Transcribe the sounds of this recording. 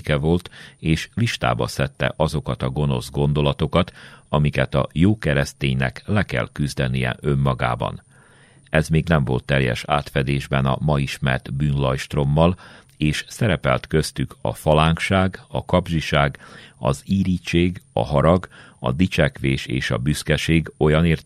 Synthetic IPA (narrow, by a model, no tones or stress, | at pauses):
kɛvo̞lt̪eːʃliʃt̪a̰ːbɒ̰sɛt̪ːɛ̰ʔɒzo̞kɒt̪ɒɡo̞no̞̰zɡo̞nd̪o̞lɒt̪o̞kɒt̪ɒmikɛt̪ɒ̰joːkɛɾɛst̪eːɲnɛ̰klɛkɛ̰lkyzd̪ɛnijɛ̰ʔø̞mːɒɡa̰ːbɒ̰n | ɛzmeːɡnɛɱvo̞lt̪ːɛljɛ̰ʃaːt̪fɛd̪eːʒbɛnɒ̰mɒiʃmɛ̰rt̪byːnlɒjʃt̪ro̞mːɒl | eːʃsɛɾɛpɛlt̪kø̞st̪ykʰɒ̰fɒlaːŋkʃaːɡɒkɒbʒiʃaːɡɒziːɾiːt͡ʃeːɡɒ̰ɦɒɾɒɡɒ̰d̪it͡ʃɛkʋeːʃḛːʃɒ̰byskɛʃeːɡo̞jɒneːr